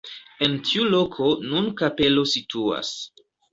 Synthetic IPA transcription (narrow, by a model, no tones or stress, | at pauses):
e̞ntʰiulo̞kʰonunkape̞lo̞situa̰s